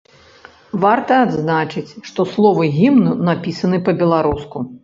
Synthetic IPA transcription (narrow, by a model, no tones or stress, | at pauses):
vart̪ɐːd̪znat͡ʂɨt͡sʲʂt̪ɔslˠɔvɨɣʲimnɨnapʲisɐnɨpɐbʲɛlˠaɾusku